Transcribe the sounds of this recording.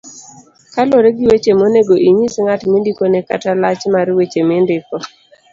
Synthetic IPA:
kalɔɾeɡɪwet͡ʃemoneɡoʔiɲisŋatmindikoneka̰talat͡ʃmaɾwet͡ʃemɪndɪkɔ

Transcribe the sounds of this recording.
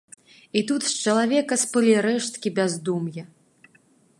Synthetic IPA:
it̪ut̪st͡ʃɐlˠavʲɛkɐspɨlʲiɾɛʂt̪̚kʲibʲazd̪umjɐ

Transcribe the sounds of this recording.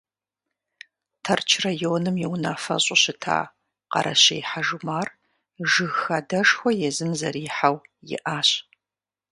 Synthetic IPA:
tʰɐrt͡ʃʰrajoːnɨmjiwnaːfɐ̰ɕʼʊɕɪtʰa̰ː | qɐ̰ɾɐ̰ɕɐjħaʒumaːr | ʒɨɣxɐdɐʂxʷɔjɛzɨmzɐɾiːħawjɪ̰ʔaːɕ

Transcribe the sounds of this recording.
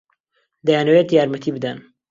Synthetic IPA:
d̪ajanɐwet̪jaːɾmɐt̪ʰibɨd̪an

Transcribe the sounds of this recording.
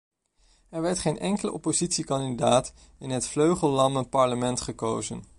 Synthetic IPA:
ɛɹʋɛɹtχejnʔɛŋkələʔɔ̰pozitsikɑndidaːt | ɪnɦətfløɥχəlˠlɑmənpɑɹləmɛntχəko̰wzən

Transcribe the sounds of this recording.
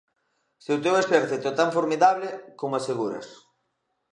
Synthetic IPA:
sewt̪ewespeɾθet̪ot̪aɱfoɾmiðaβlɪkomoaseɣuɾɐ̰s

